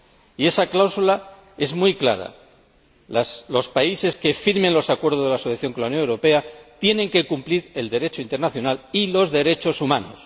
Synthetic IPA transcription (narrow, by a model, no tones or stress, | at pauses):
ie̞saklawsula | e̞zmujkla̰ɾa̰ | laslo̞spaise̞skefiɾmenlo̞sakwe̞ɾð̞o̞zðeasoθjaθjo̞ŋkolauwnjo̞newɾo̞pe̞at̪je̞nẽ̞ŋke̞kumpliɾe̞ld̪e̞ɾe̞t͡ʃoint̪e̞ɾnaθjo̞nalilo̞zðe̞ɾe̞t͡ʃo̞sumãno̞s